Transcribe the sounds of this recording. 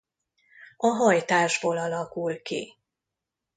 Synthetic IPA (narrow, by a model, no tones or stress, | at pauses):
ɒɦɒjt̪aːʒboːlɒlɒkulkḭ